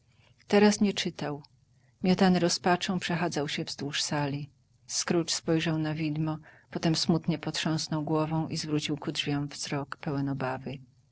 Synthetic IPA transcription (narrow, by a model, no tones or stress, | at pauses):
t̪ɛɾasɲɛt͡ʂɘt̪aw | mʲjɔt̪anɘɾɔspat͡ʂɔ̃w̃pʂɛxad̪zawɕɛvzd̪wuʂsalʲi | skɾut͡ʂspɔjʐawnavʲid̪mɔpɔt̪ɛmsmut̪ɲɛpɔt̪ʂɔ̃w̃snɔwɡwɔvɔ̃w̃ʔizvɾut͡ɕiwkudʐvʲjɔ̃w̃vz̥ɾɔkpɛwɛnɔbavɘ